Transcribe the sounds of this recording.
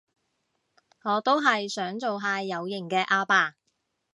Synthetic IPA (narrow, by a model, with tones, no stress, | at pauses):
ŋɔː˨˧t̪o˥wɦɐ˨jsœː˨˥ŋt͡so˨wɦaː˧jɐ˨˧wjɪ˨˩ŋkɛː˧ʔaː˧paː˧